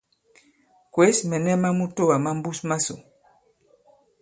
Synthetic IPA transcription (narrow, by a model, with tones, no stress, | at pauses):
kwe˦smɛ˨nɛ˦ma˦mu˦to˦wa˨ma˦mbu˦sma˦so˨